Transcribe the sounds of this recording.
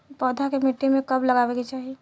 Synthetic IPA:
pɔːd̪ʱakemɪʈːemẽkɐblɐɡaːʋekit͡ʃaːɦie

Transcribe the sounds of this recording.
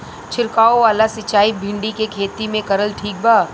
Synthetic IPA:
t͡ʃʰɪɾkaːoʋaːlasɪt͡ʃaːibʱɪ̃ɳɖikekʰeːt̪imẽkɐɾəlʈʰiːk̚bʱaː

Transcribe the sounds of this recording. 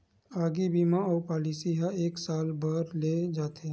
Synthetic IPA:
aːɡibiːmãɔːɾpaːliːsiɦaeːksaːlbʱəɾled͡ʒaːt̪e

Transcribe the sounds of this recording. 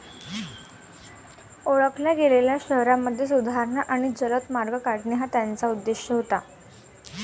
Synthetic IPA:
oɭəklaɡeleljaɕəɦɾamːəd̪ʱːjesud̪ʱaɾɳaʔaɽ̃id͡zələt̪maɾɡəkaʈniɦat̪jant͡saud̪ːeɕjəɦot̪a

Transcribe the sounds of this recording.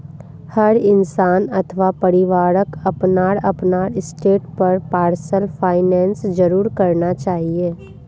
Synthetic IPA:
hɐɾɪnsaːnɐt̪ʰəʋapɐɾɪʋaːɾəkɐpnaːɾɐpnaːɽɪsʈeːʈpɐɾpaːɾsəlfʰaːɪnɛ̃ːnsd͡ʒɐɾuːɾkɐɾnat͡ʃaːɦieː

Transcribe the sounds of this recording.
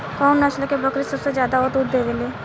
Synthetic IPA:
kɔːnːat͡ʃlokebɐkɾisɐbsed͡ʒjaːd̪aɔːd̪ud̪d̪eɡeleː

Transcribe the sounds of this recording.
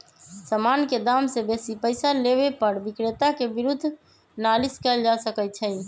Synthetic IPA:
səmanked̪amsebesipəɪsaleβepəɾbikɾet̪akebiɾud̪ʱː | naliskəld͡ʒasəkɛt͡ʃʰəɪ

